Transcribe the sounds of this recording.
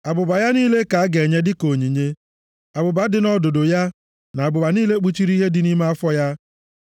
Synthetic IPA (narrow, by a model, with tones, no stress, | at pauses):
a˨bʊ˨ba˨ja˦niː˦le˦ka˨a˦ɡe˨ɲe˦dɪ˦ko˨ɲi˨ɲe˦ | a˨bʊ˨ba˨˦dɪ˨nɔ˦do˨do˨ja˦ | na˨a˨bʊ˨ba˨niː˦le˦k͡pu˦t͡ʃi˦ɾi˦ɦe˦dɪ˦ni˦me˦a˦fɔ˦ja˦